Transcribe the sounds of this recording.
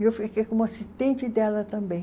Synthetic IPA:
ewfikekõmʊasist̪ẽnt͡ʃɪd̪ɛlɐt̪ɐ̃mbẽj̃

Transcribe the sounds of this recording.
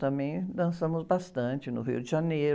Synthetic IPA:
t̪ɐ̃mẽj̃d̪ɐ̃sɐ̃mʊzbast̪ɐ̃t͡ʃɪnʊɦḭʊdɪʒaneɾ

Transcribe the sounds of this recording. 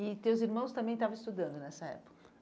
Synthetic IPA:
ɪt̪ewziɾmɐ̃w̃st̪ɐ̃bẽj̃t̪avɐ̃ist̪ud̪ɐ̃nd̪ʊnɛsɐɛ̰pʊ̥kɐ

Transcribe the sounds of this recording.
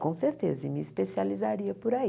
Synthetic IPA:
kõseɾt̪ḛzɐmɪːspesializaɾiɐpoɾai

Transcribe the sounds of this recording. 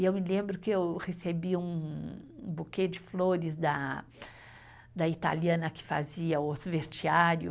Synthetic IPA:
ewmɪlẽmbɾʊkɪewhesebiũ | buked͡ʒɪfloɾɪzd̪ɐ | d̪ɐit̪a̰liɐ̃nɐkɪ̥fa̰ziɐʊsvest͡ʃiaɾjʊ̰

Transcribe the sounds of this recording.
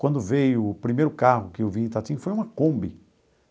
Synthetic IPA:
kwɐ̃nd̪ʊvejʊːpɾimejɾʊkahʊkɪewviẽt̪at̪ĩɲʊfojũmɐkõmbɪ

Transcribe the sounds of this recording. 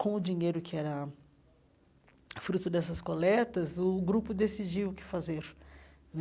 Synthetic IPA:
kõʊd͡ʒiɲejɾʊkɪɛɾɐ | fɾut̪ʊd̪ɛsɐskolɛt̪ɐzʊɡɾupʊd̪esid͡ʒiwʊkɪ̥fazeɾ | n

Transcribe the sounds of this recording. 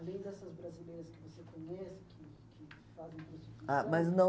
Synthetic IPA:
lẽj̃d̪ɛsɐzbɾazilejɾɐskɪvosekõɲɛsɪ̥kʰɪkʰɪ | fazẽj̃pɾosiiamɐznɐ̃

